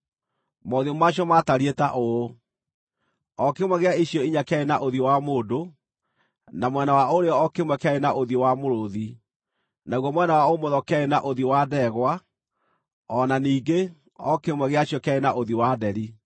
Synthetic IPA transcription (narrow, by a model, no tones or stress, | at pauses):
moðiomaɕiɔmataɾietaʔo | ɔkemwɛɣeaiɕjɔiɲakaenaʔoðiowamoːdo | namwɛnawaoɾeɔɔkemwɛkeaenaʔoðiowamoɾoði | naɣwɔmwɛnawaomoðɔkaenaʔoðiwadɛɣwa | ɔnaniːɡe | ɔkemwɛɣeaɕiɔkaenaʔoðiwadɛɾi